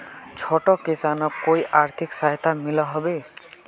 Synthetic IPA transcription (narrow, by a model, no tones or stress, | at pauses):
t͡ʃʰɔʈɔkisanɔkojʔaɾt̪ʰiksaɦt̪ʰamilɔɦɔbe